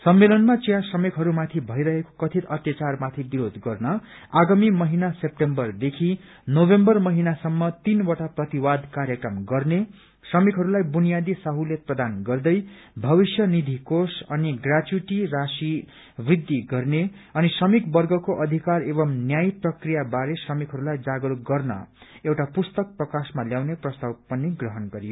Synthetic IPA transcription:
sʌmːelʌnmat͡sijãsʌmekɦʌɾumat̪ʰibʱʌjɾʌɦeko̥kʌt̪ʰit̪ʌt̪jat͡sarmat̪ʰibiɾod̪ʱɡʌrnʌ | aɡamimʌɦinasep̚ʈembʌrd̪ekʰi | nobembʌrmʌɦinasʌmːʌt̪inwaʈaprʌt̪iwad̪kaɾjʌkʌmɡʌrne | sʌmikɦʌɾulajbunijad̪isaɦulet̪̚prʌd̪anɡʌrd̪ʌj | bʱʌbisjʌnid̪ʱikosʌniɡrat͡ʃuʈirasi | brid̪ːiɡʌrne | ʌnisʌmikbʌrɡʌkoʔʌd̪ʱikarebʌmnjajprʌkrijabaɾesrʌmikɦʌɾulajd͡zaɡluɡʌrnʌ̰ewʈapust̪ʌk̚prʌkasmaljawneprʌst̪awpʌnːiɡrʌɦʌnɡʌɾijo

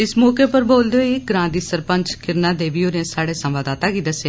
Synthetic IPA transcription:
ɪsmɔːkeːpəɾboːld̪eiɡɾãːd̪iːsəɾpəɲt͡ʃkɪɾnãːd̪eːʋiːoːɾẽːsaːɽeːsəmʋaːd̪aːt̪aːkiːd̪əseː

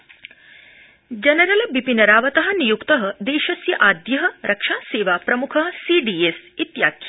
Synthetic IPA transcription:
d͡ʒɐnɐɾɐlɐbipinɐɾaːʋɐt̪ɐɦɐ̆nijukt̪ɐɦɐ̆d̪eːʃɐsjɐʔaːd̪jɐɦɐ̆ɾʔɐkʂaːseːʋaːpɾɐmukʰɐɦɐsiːɖiːesit̪jaːkʰjɐ

